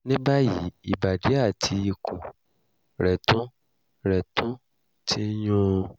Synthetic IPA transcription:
nĩ˦ba˦jḭ˨˦i˨ba˨de˨˦a˦˨tʰi˧i˧kʰũ˨ | ɾɛ˨tũ˦ | ɾɛ˨tũ˦ | tʰi˦jũ˦˧

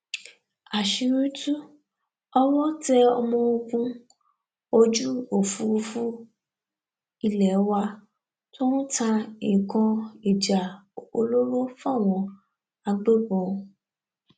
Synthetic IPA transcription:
a˨ʃi˧ɾũ˦tu˦ | ɔ˦wɔ̃˦tɛ˦˧ɔ˧mɔ̃˧o˧ɡũ˧ | o˧d͡ʒu˦o˨fu˧˦˧fu˦ | i˧lɛ˨˦wa˧ | to˦nũ˦tã˧ĩ˨kɔ̃˧i˨d͡ʒa˨o̰˧lo˦ɾo˦fa˦˨w̃ɔ̃˧ | a˧ɡ͡be˦bɔ̃˨˧

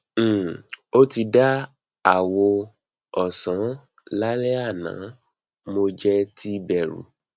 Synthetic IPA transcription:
o˦ti˧da˦ | a˨wo˧ | ɔ˨sã˨˦ | la˦lɛ˦a˦˨nã̰˨˦ | mo˧d͡ʒɛ˦tʰi˦bɛ˦˨ɾṵ˨˦

